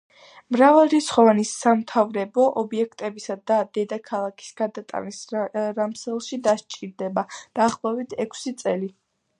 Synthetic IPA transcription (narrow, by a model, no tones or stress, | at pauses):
mɾavalˠɾit̪sχɔvanisamt̪ʰavɾɛbɔʔɔbiɛkʰt̪ʼɛbisad̪ad̪ɛd̪akʰalˠakʰi̥sɡ̥ad̪at̪ʼa̰nisɾamsɛlˠʃid̪aʃt͡ʃʼiɾd̪ɛbad̪̥aːχlˠɔɛbit̪ʰɛkʷʰsit̪sʼɛli